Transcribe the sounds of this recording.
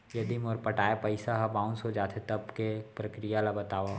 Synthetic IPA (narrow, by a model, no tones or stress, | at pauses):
jɐd̪imɔːɾpɐʈaːepɐɪsaɦɐbãːʊ̃nsod͡ʒaːt̪ʰet̪ɐbkepɾɐkɾijalabɐt̪aːʋa